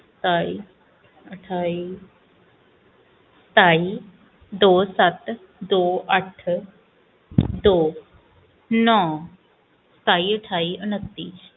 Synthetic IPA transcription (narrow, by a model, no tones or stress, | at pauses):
st̪aːi | əʈʰaːi | st̪aːi | d̪oːsɐt̪ | d̪oːəʈʰ | d̪oː | nɔː | st̪aːiəʈʰaːiʔʊnət̪ːiːs